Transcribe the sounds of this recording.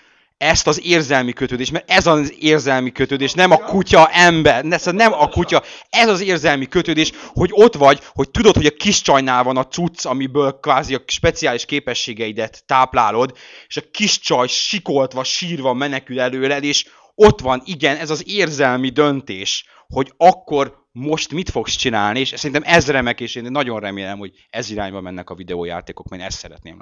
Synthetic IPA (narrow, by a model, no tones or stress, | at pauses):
ɛst̪ɒzeːrzɛlmikøt̪øːd̪eːʃmɛɾɛzɒzeːrzɛlmikøt̪øːd̪eːʃnɛmɒkucɒʔɛmbɛrnɛsɛnɛmɒkucɒɛzɒzeːrzɛlmikøt̪øːd̪eːʃho̞ɟo̞t̪ʋɒɟho̞ct̪ud̪o̞t̪ho̞ɟɒkiʃt͡ʃɒjnaːlvɒnɒt̪sut̪sɒmibøːlkʋaːziɒʃpɛt̪sijaːliʃkeːpɛʃːeːɡɛid̪ɛt̪ːaːpla̰ːlo̞d̪eːʃɒkiʃt͡ʃɒjʃiko̞lt̪ʋɒʃiːrvɒmɛnɛkylɛløːlɛd̪eːʃ | o̞t̪ʋɒniɡɛnɛzɒzeːrzɛlmid̪ø̞nt̪eːʃ | ho̞ɟɒkːo̞r | mo̞ʃt̪mit̪fo̞kst͡ʃinaːlnieːʃsɛɾint̪ɛmɛzrɛmɛkeːʃeːnnːɒɟo̞nrɛmeːlɛmho̞ɟ | ɛziɾa̰ːɲbɒmɛnːɛkɒvid̪ɛoːja̰ːt̪eːko̞̰kmeːnɛ̰st̪sɛɾɛ̰t̪nḛːm